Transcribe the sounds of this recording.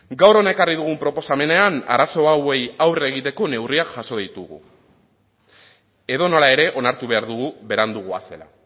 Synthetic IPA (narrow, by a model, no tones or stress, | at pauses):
ɡawɾo̞naekariðuɣ̞umpɾo̞po̞same̞ne̞ana̰ɾaso̞awe̞jawre̞ɣ̞it̪e̞ko̞ne̞wriakʝaso̞ðit̪uɣṵ | e̞ðo̞no̞lae̞ɾe̞ʔo̞naɾt̪uβe̞aɾðuɣuβe̞ɾand̪uɣ̞ua̰se̞la̰